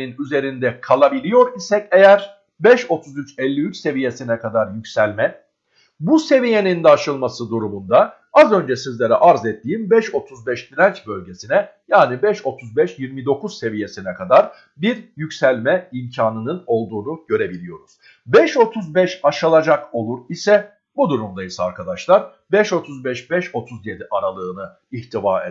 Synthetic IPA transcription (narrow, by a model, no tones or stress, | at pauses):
inyze̞ɾind̪ɛkʰalˠabilʲijo̞ɾisɛcejæɾ | bɛʃo̞t̪ʰuzyt͡ʃɛlʲːiyt͡ʃse̞vije̞sinɛkʰad̪aɾjycsælʲmɛ | buse̞vije̞nind̪ɛaʃɯlˠmasɯd̪uɾumund̪a | azø̞nd͡ʒɛsizlʲeɾɛʔaɾzɛt̪ʰːijimbɛʃo̞t̪ʰuzbɛʃbilʲænt͡ʃbø̞lʲɟe̞sinɛjaːnibɛʃo̞t̪ʰuzbɛʃjiɾmid̪o̞kʰuzse̞vije̞sinɛkʰad̪aɾ | biɾjycsælʲmɛimcʰaːnɯnɯno̞lˠd̪uːnuɟø̞ɾe̞bilʲijo̞ɾuz̥ | bɛʃo̞t̪ʰuzbɛʃaʃalˠad͡ʒako̞lˠuɾisɛ | bud̪uɾumd̪ajisaɾkʰad̪aʃlˠaɾ | bɛʃo̞t̪ʰuzbɛʃbɛʃo̞t̪ʰuzje̞d̪iʔaɾalˠɯːnɯ | içt̪ʰivae